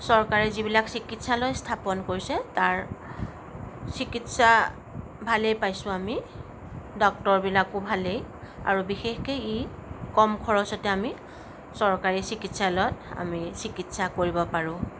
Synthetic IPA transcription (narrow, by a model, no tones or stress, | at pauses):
sɔɹkaɹɛzibilaksikitsalɔjstʰapɔnkoɹisɛtaɹ | sikitsa | bʱalejpajsʊ̃ami | dɔk̚tɔɹbilakʊbʱalej | a̰ɹubixexkejikɔmkʰɔɹɔsɔtɛami | sɔɹkaɹisikitsalɔta̰misikitsakoɹibɔpaɹʊ̃